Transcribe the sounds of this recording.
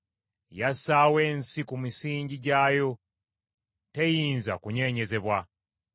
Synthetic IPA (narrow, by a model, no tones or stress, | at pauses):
jasaːwe̞ːnsikumisiːɲɟiɟaːjo̞ | te̞jiːnzakuɲe̞ːɲe̞ze̞βwa